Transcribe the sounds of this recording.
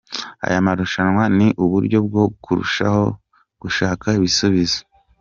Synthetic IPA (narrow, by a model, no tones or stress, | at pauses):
a̰jamaɾuʃanwaniʔuβuɾɟo̞b̚ɡo̞kʰuɾṵʃa̰ho̞ | ɡ̥uʃaːkaiβisuβizo̥